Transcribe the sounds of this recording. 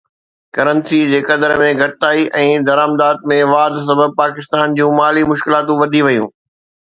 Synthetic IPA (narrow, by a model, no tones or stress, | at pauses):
kɐɾə̃nsid͡ʑeːkɐd̪əɾmẽɡʱɐʈɪt̪aːiʔɛ̃ːd̪ɐɾaːmd̪aːd̪̚mẽʋaːd̪s̬ɐbəb̚paːkɪst̪aːnd͡ʑũːmaːlimʊʃkɪlaːt̪ũʋɐd̪ʱiʋɐjũː